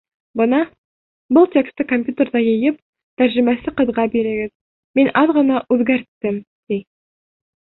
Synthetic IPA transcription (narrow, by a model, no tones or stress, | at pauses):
bɤnɑ | bɤlˠt̪ʲekst̪ɘkompʲjut̪ʲerd̪ɑjɤ̆jɤp̚ | t̪æɾʑɘ̆mæsɘqɤ̆ðʁɑbiɾɘ̆ɡɘð | minʔɑðʁɤ̆nɑʔʉðɡæɾt̪ːɘm | d̪̥ij